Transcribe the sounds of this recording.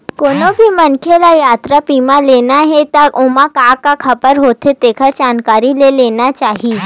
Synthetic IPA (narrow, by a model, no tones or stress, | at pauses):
konobʱiːmənkʰelajat̪ɾapimalenaɦet̪aomakakakʰəpəɾɦot̪ʰet̪ekʰəɾd͡ʑankaɾilelenat͡ʃaɦiː